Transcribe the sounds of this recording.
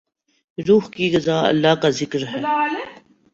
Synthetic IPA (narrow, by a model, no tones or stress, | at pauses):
ɾuːɦkiɡɐzaːɐ̰lːaːkazɪkɾɦɛː